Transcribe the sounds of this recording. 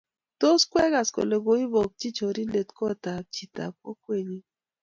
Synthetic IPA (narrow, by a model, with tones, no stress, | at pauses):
to˦skwɛ˦ɣa˨sko̰˨le˨ɡo˨˦i˦bɔ˨k̚t͡ʃi˦t͡ʃo˨ɾi˦le˨tkɔ˦˨ta˨p̚t͡ʃi˨ta̰˨k̚o̰˦kwe˦˨ɲi˦